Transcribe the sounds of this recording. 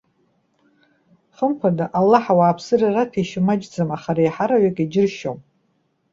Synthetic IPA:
χəmpʰadaʔalːaħawaːpʰsɨraratʰiʃɪmad͡ʒd͡zɨmaχaɾajħaɾaɥakʼid͡ʒɪrʃo̰m

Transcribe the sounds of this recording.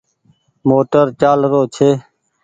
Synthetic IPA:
moːʈəɾt͡ʃaːlɾoːt͡ʃʰeː

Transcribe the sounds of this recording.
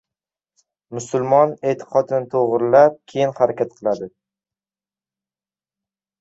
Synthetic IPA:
mʊsʊlˠmɒne̞t̪ʰɪ̥qʰɒd̪ɪnɪt̪ʰoʁɾlap̚kʲʰejɪnhaɾakʲʰat̪̚qʰɨlˠad̪ɪ

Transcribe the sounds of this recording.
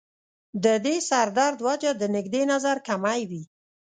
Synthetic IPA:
d̪əd̪esaɾd̪ɑɾd̪wad͡ʒad̪ənɪɡd̪enazaɾkamajwi

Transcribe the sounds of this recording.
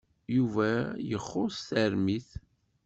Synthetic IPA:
juvæjəχːʊsθəɾmiθ

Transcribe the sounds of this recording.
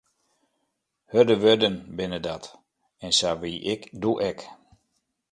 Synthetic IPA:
hødəʋødənbɪnədat | ɛnsaʋiʔɪkduʔɛk

